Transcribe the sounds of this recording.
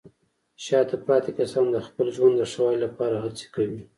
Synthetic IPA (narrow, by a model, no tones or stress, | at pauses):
ʃɑt̪apɑt̪ekasɑnd̪əxpəlʒwand̪əʂawɑjlapɑɾaɦat͡se̥kawi